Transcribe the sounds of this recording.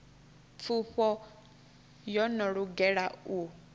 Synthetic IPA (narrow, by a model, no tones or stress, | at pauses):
fuɸɔ | jɔnɔɺuɡɛɺau